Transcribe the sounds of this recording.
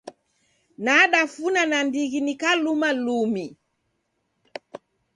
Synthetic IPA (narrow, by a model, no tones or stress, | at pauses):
naɗafunanandiɣinikalumalumi